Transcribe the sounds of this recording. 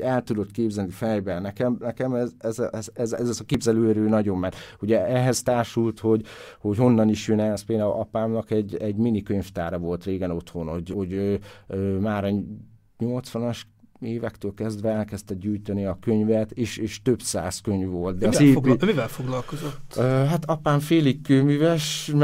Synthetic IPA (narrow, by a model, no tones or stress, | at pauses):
ɛlt̪ud̪o̞t̪keːbzɛlnifɛjbɛlnɛkɛmnɛkɛmɛzɛzɛzɛzɛzɛzɒkeːbzɛløːɾøːnɒɟo̞mːɛɾuɟɛɛɦɛzt̪aːʃult̪ho̞ɟho̞ɟho̞nːɒniʃjønɛspeːld̪aːulʔɒpaːmnɒkɛɟɛɟminikø̞ɲft̪aːɾɒvo̞lt̪reːɡɛno̞t̪ho̞nhoɟhoɟøːøːmaːɾɒ | ɲo̞lt̪sʋɒnɒʃ | eːvɛkt̪øːlkɛzd̪ʋɛɛlkɛst̪ɛɡ̪̚ɟuːjt̪ɛniɒkøɲvɛt̪eːʃeːʃt̪øbsa̰ːskøɲvːo̞lt̪̚d̪ɛɒziːmivɛlfoɡlɒlkozot̪ːøːɦat̪ɒpaːɱfeːlikːømyvɛʃm